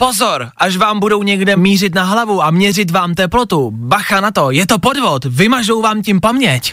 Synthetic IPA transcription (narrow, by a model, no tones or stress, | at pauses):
po̞zoɾʔaʃvaːmbudo̞wɲɛɡdɛmiːr̝ɪt̪naɦlavuʔamɲɛrɪt̪vaːmt̪ɛplo̞t̪ubaxanat̪o̞jɛt̪o̞podvo̞t̪vɪmaʒo̞wvaːmcɪmpamɲɛc